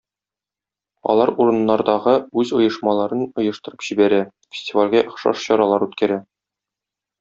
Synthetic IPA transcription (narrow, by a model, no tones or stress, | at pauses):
ɒ̰lˠɑɾuɾɤ̆nːɑɾd̪ɑʁɤʉzŏjɤ̆ʃmɑlˠɑɾɤnŏjɤ̆ʃt̪ɤ̆ɾɤ̥pʑ̥ibæɾæ | fʲɪ̥sʲtʲivalʲɡæŏχʃɑ̰ʃɕɒɾɑlˠɑɾʉt̪kæɾæ